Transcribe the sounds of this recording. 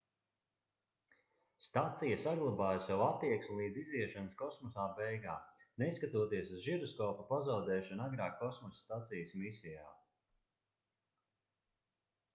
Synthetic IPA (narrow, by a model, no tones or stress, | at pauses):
st̪at̪sijasaɡlˠabaːjsawat̪ːiɛksmʲilˠiːd̪ziziɛʃanəskɔsmɔsaːbɛjɡaːneskat̪uɔt̪iɛsuzʒiɾɔskɔːpupazawd̪ɛːʃɔnaɡɾaːkːɔsmɔssːt̪at̪sijsmisijaː